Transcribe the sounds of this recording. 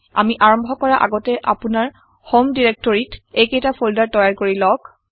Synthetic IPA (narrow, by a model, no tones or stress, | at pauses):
a̰miʔaɹɔmbʱɔkɔɹaʔa̰ɡɔtɛʔapʊnaɹ | homdiɹek̚tɔɹitejkejtapʰoldaɹtɔjaɹkoɹilɔk